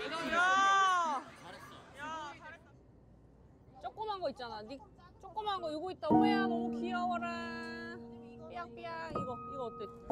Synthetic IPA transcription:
a | t͡ɕ͈ok͈ɯmanɡʌit̚t͡ɕ͈anajnik̚ | t͡ɕ͈ok͈ɯmɦanɡʌuɡoit̚t͈aoeanookʰiʌwaɾa | peak̚p͈eaiɡʌiɡʌt͈e

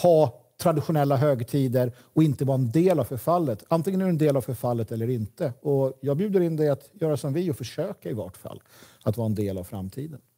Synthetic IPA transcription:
hɑː | t̪ʰɾad̪ɪɧʊnɛlːaɦøːɡt̪ʰiːd̪əɾ | ɔɪnt̪əvɑːɛnd̪eːlavfœɾfalːət̪ant̪ɪŋənɵɛnd̪eːlavfœɾfalːət̪ɛlːəɾɪnt̪əɔjɑːɡ̚bjʉ̟ːd̪əɾɪnd̪ɛat̪jœːɾasɔmvɪɔfœʂøːkaɪvɔ̰ʈfa̰lː | at̪vɑːɾɛnd̪eːla̰vfɾa̰mt̪ʰiːd̪ən

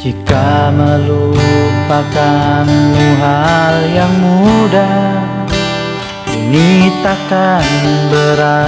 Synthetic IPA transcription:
d͡ʒikaməlupakanuɦaljaŋmuda | init̪akaninbəɾa

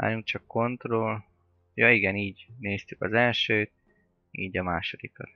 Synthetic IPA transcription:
a̰ːɾuŋk̚t͡ʃɒkːo̞nt̪rol | joːiɡɛniːɟneːst̪ykɒzɛlʃøːt̪̚ | ḭːɟɒmaːʃo̞d̪ikɒ̰t̪

